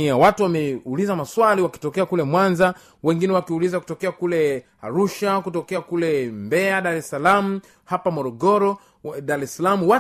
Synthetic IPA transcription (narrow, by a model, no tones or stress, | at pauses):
iawatuwamɛulizamaswaliwaki̥tɔkɛakulɛmwanza | wɛŋɡinɛwakiulizaku̥tɔkɛakulɛ | aɾuʃakutɔkɛakulɛmbɛaɗaɾɛsalam̩ | hapamɔɾɔɡɔɾɔ | ɗaɾɛsalamuwa